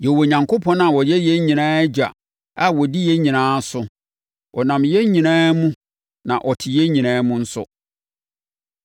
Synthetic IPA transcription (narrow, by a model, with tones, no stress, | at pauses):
jɛ˨wo˨ɲã˨ŋkʰo˦pʰɔ̃˦nã˨wɔ˨jɛ˦jɛ˦ɲĩ˨nãː˦ɛ˦d͡ʑᶣa˨ | a˨wɔ˨di˦jɛ˦ɲĩ˨nãː˦sʊ˨˦ | ɔ˨nã˨mjɛ˦ɲĩ˨nãː˦mũ˦ | nã˨ʔɔ˨tʰɪ˨jɛ˦ɲĩ˨nãː˦mũ˦n̩˦sʊ̰˦